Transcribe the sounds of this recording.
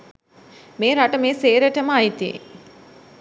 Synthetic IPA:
meːɾaʈəmeːseːɾəʈəməajt̪iḛ

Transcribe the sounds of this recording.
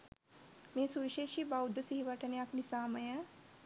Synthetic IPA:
mẽːsuʋiʃeːʃibaːud̪ɐsiɦiʋɐʈɐneaknisaːmɐjã

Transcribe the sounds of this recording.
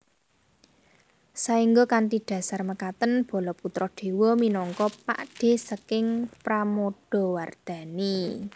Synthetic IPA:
saiŋɡokant̪iɖ̪̥ä̤sarməkat̪ənb̥ɔ̤lɔput̪ɾɔhd̪̥e̤wɔminɔŋkɔpa̰ʔɖ̥e̤səkɪŋpɾamoɖ̥ɔ̤ward̪̥a̤ni

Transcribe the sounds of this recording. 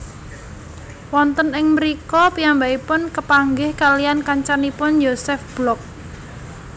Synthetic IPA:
wɔnt̪ənɪŋməɾikɔpiambaipʊnkəpaŋɡɪhkaliankaɲt͡ʃanipʊnjosɛfb̥lɔk̚

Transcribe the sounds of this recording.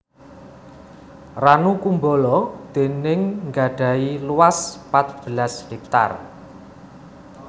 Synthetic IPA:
ranukumbolɔd̪̥e̤nɪŋŋɡaɖ̥ä̤iluwaspat̪̚b̥əlashek̚t̪a̰r

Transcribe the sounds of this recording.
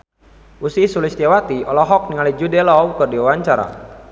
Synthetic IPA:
ʔusisulist̪ɛwat̪iɔlɔɦɔk̚niŋalid͡ʒudɛlɔwkɨrdiwawaɲt͡ʃaɾa̰

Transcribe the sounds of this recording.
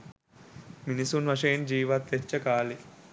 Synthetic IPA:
minisunʋɐʂɐjɐnd͡ʒiːʋɐt̪ːet͡ʃːɐkaːli

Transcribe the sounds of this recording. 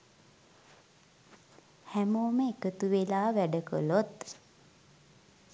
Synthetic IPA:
hæmoːməekət̪uʋelaːʋæɖəkə̰lot̪

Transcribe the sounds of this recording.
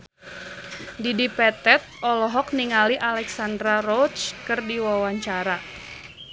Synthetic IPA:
didipɛt̪ɛt̪̚ɔlɔɦɔk̚niŋaliʔalɛksandɾaɾɔt͡ʃkɨrdiwawaɲt͡ʃaɾa

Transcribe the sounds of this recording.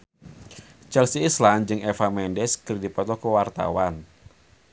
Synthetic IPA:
t͡ʃɛlsiːsland͡ʒɨŋɛfamɛndɛskɨrdipɔt̪ɔkuwart̪a̰wan

